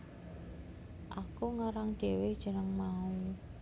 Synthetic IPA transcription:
ʔakuŋaɾaŋɖ̪̥e̤wed̥ʒ̥ə̤nəŋmau

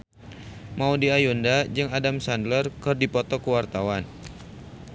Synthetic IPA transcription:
maudiajundad͡ʒɨŋadamsandlərkɨrdipɔt̪ɔkuwart̪awan

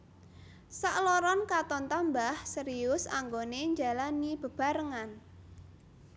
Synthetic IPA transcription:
saʔlɔɾɔnkat̪ɔnt̪ambahsəɾiʊsa̰ŋɡoneɲd͡ʒalanib̥ə̤b̥a̤ɾəŋan

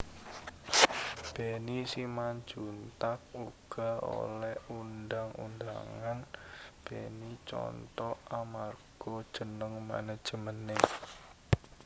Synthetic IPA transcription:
b̥enisimand͡ʒunt̪ak̚uɡ̥a̤o̰lɛhundaŋṵnda̰ŋanb̥enit͡ʃɔ̰nt̪ɔamarɡ̥ɔd̥ʒ̥ənəŋma̰nəd̥ʒ̥əməne

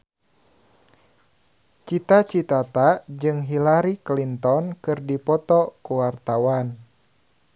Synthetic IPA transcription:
t͡ʃit̪at͡ʃit̪at̪ad͡ʒɨŋɦilaɾiklint̪ɔnkɨrdipɔt̪ɔkuwart̪awan

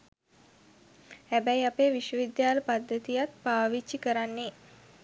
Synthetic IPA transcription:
hæbæjiapeːʋiʃʋəʋid̪jaːləpad̪ːət̪ijat̪̚paːʋit͡ʃːikəɾanːe

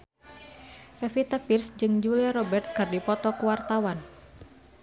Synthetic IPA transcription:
fɛfit̪əpirsd͡ʒɨŋd͡ʒuliaɾɔbɛrt̪̚kɨrdipɔt̪ɔkuwart̪awan

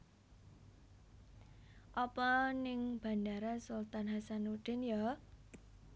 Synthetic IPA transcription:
ʔɔpɔnɪŋb̥a̤ndaɾasult̪anɦasanuɖ̪̥ɪ̤nja

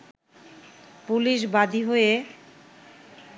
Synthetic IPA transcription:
puliʃ̬bad̪ʱiɦoe

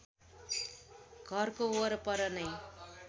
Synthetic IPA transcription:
ɡʱʌrkooɾʌpʌɾʌnʌj

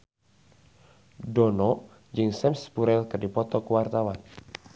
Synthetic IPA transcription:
dɔnɔ | d͡ʒɨŋsɛmspuɾɛlkɨrdipɔt̪ɔkuwart̪awan

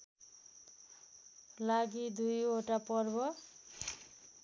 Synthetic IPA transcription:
laɡid̪ujɦoʈapʌrbʌ

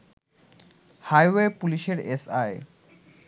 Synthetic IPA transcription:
hajwepuliʃeɾesaj

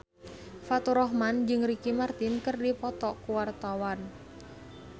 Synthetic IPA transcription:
fat̪uɾɔɦmand͡ʒɨŋɾikimart̪inkɨrdipɔt̪ɔkuwart̪awan

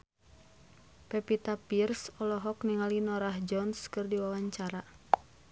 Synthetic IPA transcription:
pɛpit̪apirsɔlɔɦɔkniŋalinɔɾahd͡ʒɔnskɨrdiwawaɲt͡ʃaɾa

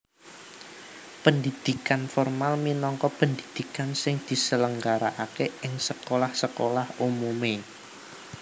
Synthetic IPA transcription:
pəndid̪̥ikanfɔrmalminɔŋkɔpənd̪id̪̥i̤kansɪŋd̪̥i̤sələŋɡaɾaʔakeɪŋsəkolahsəkolahumume

